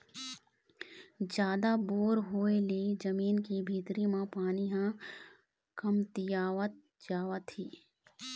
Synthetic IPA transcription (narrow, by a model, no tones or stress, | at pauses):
d͡ʒjaːd̪aboːɾɦoːelid͡ʒəmiːnkibʱiːt̪ɾimãpaːniɦã | kɐmt̪ɪjaːʋət̪̚ | d͡ʒaːʋət̪iː